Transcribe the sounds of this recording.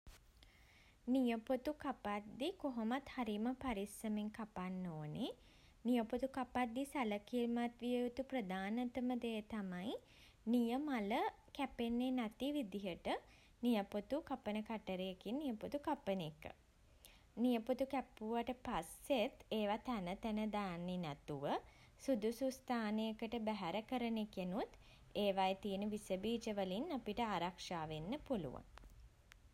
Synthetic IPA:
nijəpot̪ukapat̪̚d̪ikoɦomat̪haɾiməpaɾisəmeŋkapanːoːne | nijəpot̪ukapat̪̚d̪ːisaləkimat̪ʋijəut̪uprəd̪aːnət̪əməd̪ejət̪amaj | nijəmalə | kæpenːeːnat̪iʋid̪iɦəʈə | nijəpot̪ukapənəkaʈəɾejekinːijəput̪ukapənekə̰ | nijəput̪ukæpːuʋaʈəpaset̪eːʋat̪ænət̪ænəd̪ajanːinɛt̪uʋə | sud̪usust̪ʰaːnejəkəʈəbæɦæɾəkəɾənekenut̪ | eːʋajet̪ijənəʋisəbiːt͡ʃəʋəlinːapiʈəaːɾakʂaːʋenːəpulṵʋa̰n

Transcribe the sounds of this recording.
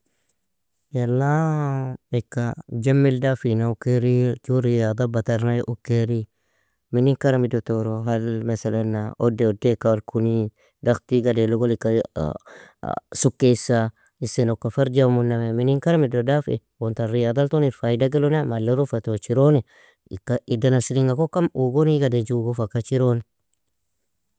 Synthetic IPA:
jelːa | ekːad͡ʒamːildafinaukːeɾituɾijad̪ˤabat̪aɾnajʔukːeɾi | minikaɾamidot̪oɾoɦalmesalanːaʔodeodekːawalkuni | daxt̪iɡadeloɡolikːa | sukːeisa | isenokːafaɾd͡ʒamunːameminiŋkaɾamidodafḛ | wont̪aɾijad̪alt̪onifaidaɡelonamalːeɾufat̪ot͡ʃiɾoni | kːaʔidanasiɾiŋɡakokːamuɡoniɡaded͡ʒuɡofakat͡ʃiɾoni

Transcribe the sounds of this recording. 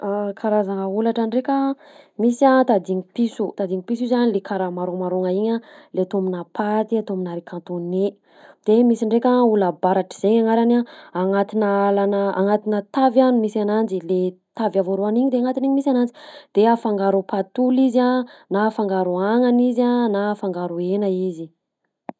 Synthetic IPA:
akʰaɾazaŋəulaʈ͡ʂaɳɖ͡ʐekʲə | misiat̪ad̪iŋipisut̪ad̪iŋipisuizanilekaɾamaɾomaɾoŋaiɲaleat̪ominapʰat̪iat̪ominaɾikʰãnt̪one | d̪̥emisiɳɖ͡ʐekʲaulabaɾaʈ͡ʂi̥z̥eɲaŋaɾanaaŋat̪inaalanəa̰ŋat̪inət̪avjanumisanand͡ʒile | t̪avavoɾuaniɲid̪eaŋat̪iniɲimisanand͡ʒid̪̥eafaŋɡaɾupat̪ulizanafaŋɡaɾuaŋanizanafaŋɡaɾuenəizi

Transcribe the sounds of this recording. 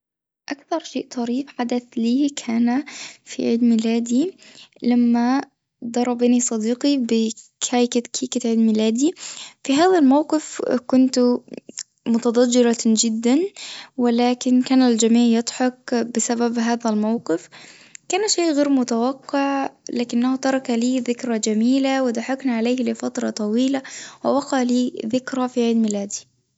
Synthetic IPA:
ʔakθɑɾˤʃeːʔt̪ˤɑɾiːfħad̪aθliːkʰaːnafḭʕiːd̪mɪlaːd̪ilamːa | d̪ˤɑɾˤːɑbanisˤɑd̪iːqibɪkʰaːjkɪkʰiːkɪt̪ʕiːd̪mɪlaːd̪ifiɦaːðalmawqɪfkʊnt̪ | mʊt̪ɑd̪ˤɑd͡ʒːɪɾɑd͡ʒɪd̪ːanwɪlæːkɪnkæːnɪld͡ʒamiːʕjɑd̪ˤħɑkbɪsæbæbɦaːðælmawqɪf | kæːnʃeːʔɣeːɾmʊt̪awɑqːɪʕlaːkɪnːæhut̪ɑɾˤɑkaliːðɪkɾad͡ʒæmiːlawɪd̪aħɑknaʕaleːhlɪfɑt̪ɾˤɑt̪ˤɑwiːlawɪwɑqɑʕliːðɪkɾafiʕed̪mɪlæːd̪i

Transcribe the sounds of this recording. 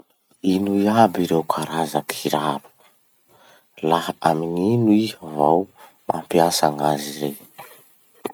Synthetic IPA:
inuiabiɾewkʰaɾazakʰiɾabu̥ | lahaamininuihəvaw | mʔampiasaŋazire

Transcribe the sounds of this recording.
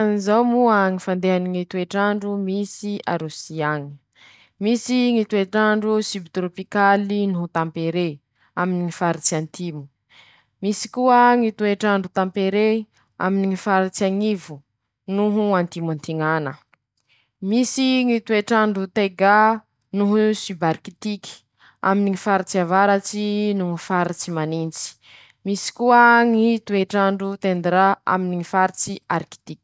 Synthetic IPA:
anizawmuaŋifand̪eɦaniŋit̪ueʈ͡ʂaɳɖ͡ʐumisia̰ɾusiaŋi̥ | misiŋit̪ueʈ͡ʂaɳɖ͡ʐusibit̪ɾopikalinuɦut̪ãmpeɾe | aminiŋifaɾit͡siant̪imu̥ | misi̥kuəŋit̪ueʈ͡ʂaɳɖ͡ʐut̪ampeɾe | a̰miniŋifaɾit͡siaŋivu | nuɦuãnt̪imont̪iŋanə | misiŋit̪ueʈ͡ʂaɳɖ͡ʐut̪eɡa | nuɦusybaɾkit̪iki̥ | a̰miniŋifaɾit͡siavaɾat͡sinuŋifaɾit͡simanint͡si̥ | misi̥kuəŋit̪ueʈ͡ʂaɳɖ͡ʐut̪end̪ɾaa̰miniŋifaɾit͡siaɾki̥t̪ikʲ

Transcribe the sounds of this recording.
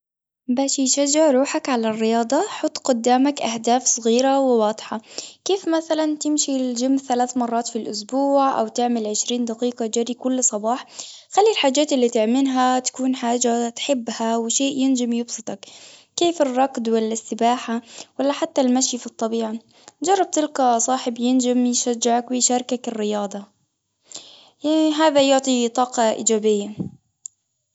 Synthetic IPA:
baːʃjʃad͡ʒːɪʕɾˤuːħakʕalarːɪjɑːd̪ˤɑħɑt̪ˤːqʊd̪ːaːmakʔahd̪aːfsˤɣiːɾawɪwɑːd̪ˤħɑkeːfmaθalant̪ɪmʃild͡ʒɪmːθalaːθmɑrˤːɑːt̪filʔʊsbuːʕʔa̰wt̪ɪʕmɪlʕɪʃɾiːnd̪aqiːqɑd͡ʒaɾikʊlːsˤɑbɑːħxalːilħaːd͡ʒːaːt̪ɪlːit̪ɪʕmɪnɦat̪ḁkuːnħaːd͡ʒat̪ħɪbːhawɪʃeːʔjɪnd͡ʒamjɪbsˤɨt̪ˤɑkkeːfɪrˤːɑkd̪wɪlːɪsːɪbaːħawalːaħat̪ːalmaʃjfit̪ˤːɑbiːʕa | d͡ʒɑrˤːɑb̚t̪ɪlkasˤɑːħɪbjɪnd͡ʒɪmjʃad͡ʒːɪʕakwɪjʃaːɾˤkakɪrːɪjɑːd̪ˤɑ | aɦaːðajʊʕt̪ˤit̪ˤɑːqɑʔḭːd͡ʒaːbɪjːa

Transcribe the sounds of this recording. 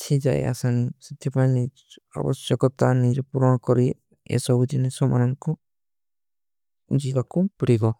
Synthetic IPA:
tʰid͡ʒa̰j̰a̰sansid̪ʰjɔpani | a̰bɔsjɔkɔt̪anid͡ʒɔpuɾɔnɔkɔɾi | ɛ̰sɔbud̪inɛsɔmʔa̰nɔŋkɔ | d͡ʒiɡakupiɽiɡɔ

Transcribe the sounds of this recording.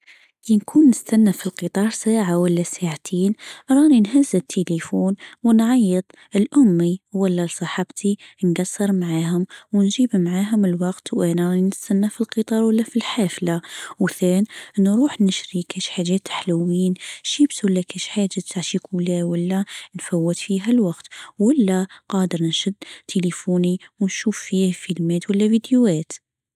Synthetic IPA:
linkʰuːnːəst̪ænːæfilqit̪ˤɑːɾˤsaːʕawəlːæsaʕt̪ʰiːnɾˤɑːninɦæzːət̪ʰːelifuːnwənʕɑjːəd̪ˤ | əlʔʊmːiwəlːælsˤɑħɑbt̪ʰinɡɑsːəɾˤmʕaːhʊmwnʒiːbmʕaːɦʊməlwɑqt̪wʔænɑninəst̪ænːæfilqɨt̪ˤɑːɾˤwəlːæfilħaːflawθæːnʔənːɾˤuːħnɪʃɾikæːʃħaʒɛːt̪ːḁħlawiːnʃibswalːækæʃħaːd͡ʒat̪aʕʃikʰuːlæwalːænfawːət̪fiːɦælwɑqt̪walːæqɑːd̪əɾnʃʊd̪ːt̪ʰelifuːniwnʃuːfːiːhfilmeːt̪walːævid̪juæːt̪

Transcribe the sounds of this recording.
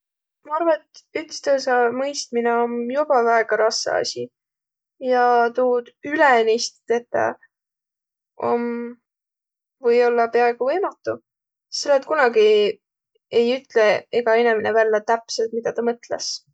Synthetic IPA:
mɑɑɾvɑet̪ykst̪øːs̬ɑmɤjst̪̚mineomjub̥ɑvæeɡ̥ɑɾɑsːɑ̰ɑ̰sʲi | jɑt̪uːd̪̥ylenist̪t̪et̪ːɑ̰ | o̞̰m | vɤjo̞lːɑpeɑe̞ɡ̥uvɤjmɑt̪ːu | selːet̪̚kunɑɡi | e̞jyt̪leeɡ̥ɑe̞nemenevælːɑt̪æpselt̪̚mid̪̥ɑt̪ɑmɤt̪lḛs

